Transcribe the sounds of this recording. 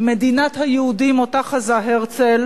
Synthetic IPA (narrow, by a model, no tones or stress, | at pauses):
med̪inat̪hajehudimot̪aχazaɦeʁt͡sel